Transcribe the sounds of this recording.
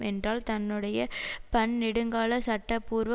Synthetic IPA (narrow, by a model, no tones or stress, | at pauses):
ɛndraːlt̪ɐnːɯɽɐjɐpɐɳnɪɽɯŋɡaːlɐsɐʈːɐpːuːɾʋɐ